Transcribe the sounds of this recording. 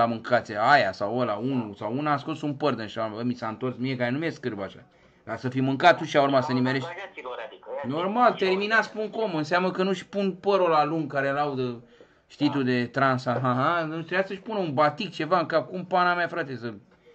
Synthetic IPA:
amɨŋkat̪sʲeajasawolaunusawunaːsko̞sunpərd̪ɨnʃauɾmaəmisaɨnt̪orsmiekaɾe̞numieskɨrbaʃa̰ | kasəfimɨŋkat̪̚t̪ːuʃiauɾmasənimeɾeʃt̪ʲ | no̞rmalt̪erminaspuŋko̞mɨnseamnəkənuʃpunpəɾolaluŋɡkaɾelaud̪ə | ʃt̪it̪ud̪e̞t̪ɾansaɦaɦanuʃt̪ɾeasəʃʲpunəunbat̪ik̚t͡ʃe̞vaɨŋkap̚kumpanamafɾat̪esə

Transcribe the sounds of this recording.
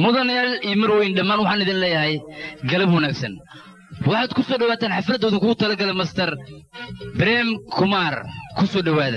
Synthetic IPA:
mʊðɐnjaːlijmɐrwɛjnɖɐmaːnwɑħɑːnɪðinlɛːjɐɦɛjɡɐlɐbwɐnaːɡsɐ̰n | wɑħɑːd̪kʰʊsɔːɖɐwaːt̪ʰaːnħɑfɐd̪ɔːðʊkʰʊɡʊt̪ʰɐlɐɡɐlɛmɐst̪ʰɐr | bɾɛːmkʰʊmaːrkʰʊsɔːɖɐwaːðɐ

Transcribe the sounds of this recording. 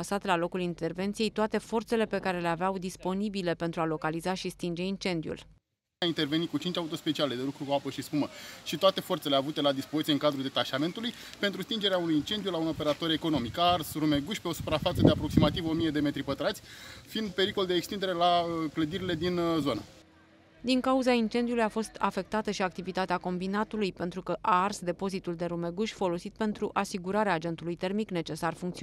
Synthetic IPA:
asat̪lalo̞kulint̪e̞rve̞nt̪sije̞jt̪oat̪e̞fo̞rt̪se̞le̞pe̞kaɾe̞le̞aveawd̪ispo̞nibile̞pe̞nt̪ɾualo̞kalizaʃist̪ind͡ʒe̞int͡ʃe̞nd̪iṵl | aint̪e̞rve̞nikut͡ʃint͡ʃaut̪o̞spe̞t͡ʃiale̞d̪e̞lukɾukuapəʃispuməʃit̪oat̪efo̞rt̪sele̞avut̪e̞lad̪ispozit̪jeɨŋkad̪ɾuld̪e̞t̪aʃame̞nt̪uluj | pe̞nt̪ɾust̪ind͡ʒe̞ɾeaunujint͡ʃe̞nd̪ijulauno̞pe̞ɾat̪o̞ɾe̞ko̞no̞mikarsɾume̞ɡuʃʲpeo̞su̥pɾafat̪səd̪eapɾo̞ksimat̪ivo̞mije̞d̪e̞me̞t̪ɾipət̪ɾat̪sʲfind̪̚pe̞ɾiko̞ld̪eːkst̪ind̪e̞ɾe̞laəkləd̪iɾile̞d̪inzo̞nə̰ | d̪iŋkauzaint͡ʃe̞nd̪iulujafo̞st̪a̰fe̞k̚t̪at̪əʃiak̚t̪ivit̪at̪eako̞mbinat̪ulujpe̞nt̪ɾukəʔarsd̪e̞po̞zit̪uld̪e̞ɾume̞ɡuʃʲfo̞lo̞sit̪̚pe̞nt̪ɾuʔasiɡuɾaɾeaːd͡ʒe̞nt̪ulujt̪e̞rmikne̞t͡ʃe̞sarfuŋkt̪si

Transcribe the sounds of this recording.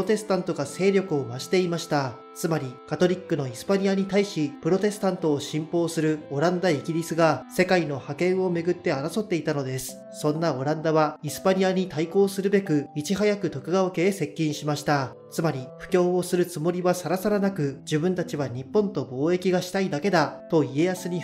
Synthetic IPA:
ot̪e̞sɨ̥t̪ãnt̪o̞ɡase̞ːɾʲjo̞kɯo̞maɕi̥t̪e̞imaɕi̥t̪a | t͡sɨmaɾʲikat̪o̞ɾʲikːɯ̟no̞isɨ̥paɲ̟iaɲ̟it̪aiɕipɯ̟ɾo̞t̪e̞sɨ̥t̪ãnt̪o̞ːɕĩmpo̞ːsɨɾɯ̟o̞ɾãnd̪aiɡʲiɾʲisɨɡase̞kaino̞hakẽ̞ɰ̃o̞me̞ɡɯ̟t̪ːe̞aɾaso̞t̪ːe̞it̪ano̞d̪e̞sɨ̥ | sõ̞nːao̞ɾãnd̪aβaisɨ̥paɲ̟iaɲ̟it̪aiko̞ːsɨɾɯ̟be̞kɯ̟it͡ɕiɦajakɯ̟t̪o̞kɯ̟ɡaoke̞ːse̞kʲːĩɰ̃ɕimaɕi̥t̪a | t͡sɨmaɾʲiɸɯ̟̥kʲo̞ːo̞sɨɾɯ̟t͡sɨmo̞ɾʲiβasaɾasaɾanakɯ̟d͡ʑɨbɯ̟̃nt̪at͡ɕiβaɲ̟ipːõ̞nt̪o̞bo̞ːe̞kʲiɡaɕi̥t̪aid̪ake̞d̪at̪o̞ie̞jasɨɲ̟i

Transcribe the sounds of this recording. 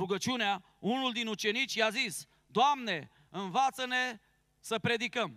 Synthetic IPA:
ɾuɡət͡ʃunea | unuld̪inut͡ʃe̞nit͡ʃʲjazis | d̪oamne̞ | ɨnvat̪səne̞ | səpɾe̞d̪ikəm

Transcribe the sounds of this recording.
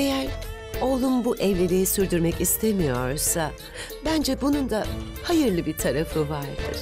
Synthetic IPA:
e̞jæɾ | o̞lˠunbuʔɛvlʲe̞ɾijisyɾd̪yɾmɛcist̪ʰemijo̞̰ɾsa | bænd͡ʒɛbunund̪a | hajɯɾlˠɯbiɾt̪ʰaɾafɯvaɾd̪ɯ̰ɾ̥

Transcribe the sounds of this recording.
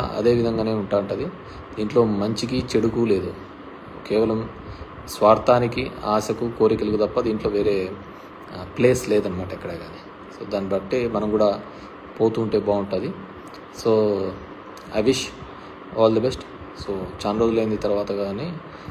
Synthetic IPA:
ɐ̰d̪e̞ːʋid̪ʱɐŋɡaːne̞ːuɳʈaːɾuɳʈɐd̪i | d̪iːɳʈlo̞ːmɐɲt͡ʃikit͡ʃe̞ɽukule̞ːd̪u | keːʋɐlɐm | sʋaːɾt̪ʰaːnikiaːsɐkuko̞ːɾikɐlɐkut̪ɐpːɐd̪iːɳʈlo̞ːʋe̞ːɾe̞ː | ple̞ːsleːd̪ɐnːɐmaːʈɐɛkːɐɽeːɡaːd̪i | so̰ːd̪aːnːibɐʈːeːmɐnɐmɡuːɽaː | po̞ːt̪uːɳʈe̞ːbaːuɳʈɐd̪i | so̞ː | ɐ̰jʋiʃ | aːld̪ɐbesʈ | so̞ːt͡ʃaːnɐɾo̞ːd͡ʒuleːnd̪it̪ɐɾuʋaːt̪ɐɡani

